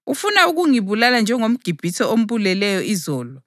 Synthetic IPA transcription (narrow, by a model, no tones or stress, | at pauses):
ufunauɣ̬uŋiβulaland͡ʒʱɛŋom̩ɡ̥ʱib̥ʱitʰɔom̩ɓulɛlɛjɔʔizɔːlɔ